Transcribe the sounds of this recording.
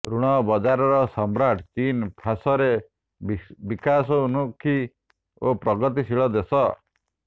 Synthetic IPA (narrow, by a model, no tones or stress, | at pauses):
ɾuɽ̃ɔbɔd͡ʒaɾɔɾɔsɔmɾaʈʰt͡ʃinpʰasɔɾe | bikas̬ɔunukʰːi | opɾɔɡɔt̪̬isiɭɔd̪esɔ